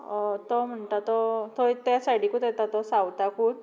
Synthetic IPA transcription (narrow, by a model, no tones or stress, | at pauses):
t̪ɔm̤əɳt̪at̪ɔt̪ɔt̪jasaʈikut̪ɛt̪at̪ɔsawt̪akuːn